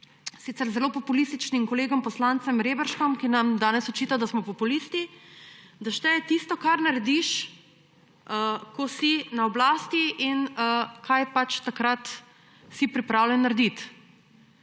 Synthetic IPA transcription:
sit̪sɛɾzɛloːpɔpulist̪it͡ʃnimkɔleːɡɔmpɔslant̪sɛmɾeːbəɾʃkɔmkinamd̪aːnɛsɔt͡ʃiːt̪ad̪asmɔpɔpulist̪i | d̪aʃt̪ɛt̪ist̪ɔkaɾnaɾɛd̪iʃ | əkosinaɔblaːst̪iʔinəkajpat͡ʃt̪akɾat̪ | sipɾipɾaːwlɛnːaɾd̪it̪

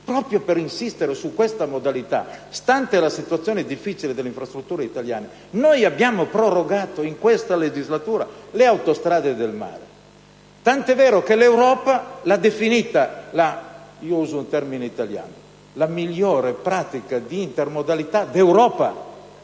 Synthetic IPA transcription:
pɾɔpɾjopeɾinsist̪eɾesukːwest̪amod̪alit̪a̰st̪ant̪elasit̪uat̪sːjoːned̪ifːit͡ʃiled̪elːeiɱfɾast̪ɾut̪ːuːɾeit̪alja̰ːne | nojabjaːmopɾoroɡaːt̪oiŋkwest̪aled͡ʒizlat̪uːɾaleawt̪ost̪ɾaːd̪ed̪elma̰ːɾe | t̪ant̪ɛvɛːɾokelewɾɔːpalad̪efinit̪alaiːouːzount̪ɛrmineit̪alja̰ːno | lamiʎːoːɾepɾaːt̪ikad̪iint̪ermod̪alit̪ad̪ewɾɔːpa

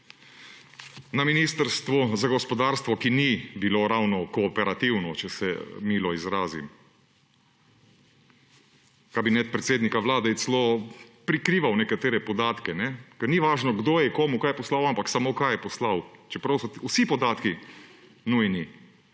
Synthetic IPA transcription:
naminiːst̪əɾst̪ʋɔzaɡɔspɔd̪aːɾst̪ʋɔkinibiloɾawnɔkɔːpɛɾat̪iwnɔt͡ʃɛsɛ̰miːlɔizɾaːzḭm | kabinɛt̪̚pɾɛt̪seːd̪nikaʋlaːd̪ɛt̪slopɾikɾiːʋawnɛkat̪eːɾɛpɔd̪aːt̪kɛnɛkɛɾniʋaːʒnɔɡd̪oːjɛkɔːmukajɛpɔslawampaksamokajɛpɔslawt͡ʃɛpɾawsɔusipɔd̪aːt̪ki | nujni

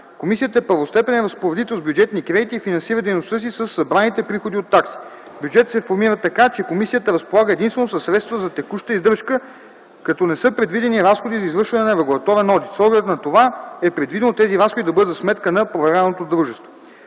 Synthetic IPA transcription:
komisiət̪əɛpəɾvost̪ɛpɛnɛɾɐspoɾɛd̪it̪ɛlˠzbjud͡ʒɛt̪nikɾɛd̪it̪iːfinɐnsiɾəd̪ɛjnost̪ɤs̬isəsːɐbɾanit̪ɛpɾixod̪iot̪ːaksi̥bjud͡ʒɛt̪ət̪sɛfoɾmiɾət̪ɐkat͡ʃɛkomisijət̪əɾɐspolˠaɡəɛd̪inst̪vɛnosɐsːɾɛt̪st̪vəzɐt̪ɛkuʃt̪əizd̪əɾʃkə | kɐt̪ɔnɛsɤpɾɛd̪vid̪ɛniɾasxod̪izɐizvɤɾʃvɐnɛnɐɾɛɡulˠɐt̪ɔɾɛnɔd̪it̪sɔɡlɛɛt̪nɐt̪ovaɛpɾɛd̪vid̪ɛnot̪ɛziɾasxod̪id̪ɐbɤd̪ət̪smɛt̪kənɐpɾovɛɾanot̪od̪ɾuʒɛst̪vo

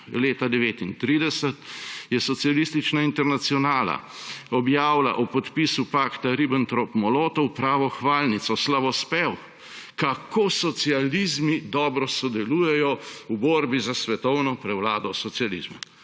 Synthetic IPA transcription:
leːt̪ad̪ɛʋeːt̪int̪ɾiːd̪ɛsət̪jɛsɔt̪sialist̪it͡ʃnaint̪ɛɾnat̪siɔnaːla̰ɔbjaːwla̰ʔupɔt̪pisupaːkt̪aɾibənt̪ɾopmɔloːt̪ɔwpɾaːʋɔxʋaːlnit̪sɔslaʋɔspɛw | kakoːsɔt̪sializmid̪ɔːbɾɔsɔd̪ɛluːjɛjɔuboːɾbizasʋɛt̪ɔwnɔpɾɛwlaːd̪ɔsɔtsijalḭzmu

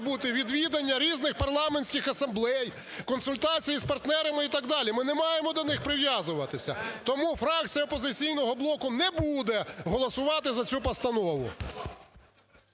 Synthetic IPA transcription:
but̪ɪʋʲid̪ʋʲid̪ɐnʲːɐɾʲiznɪxpɐrlˠɑmenʲsʲkɪxɐsɐmblˠɛj | kɔnsʊlʲt̪ɑt͡sʲijispɐrt̪nɛɾɐmɪit̪ɐɡd̪ɑlʲimɪnɛmɑjemɔd̪ɔnɪxpɾɪʋjɑzʊʋɐt̪ɪsʲɐ̰t̪ɔmufɾɑk̚t͡sʲijɐɔpɔzɪt͡sʲijnɔɦɔblˠɔkʊnɛbud̪ɛɦɔlˠɔsʊʋɑt̪ɪzɐt͡sʲupɐst̪ɐnɔʋʊ̰

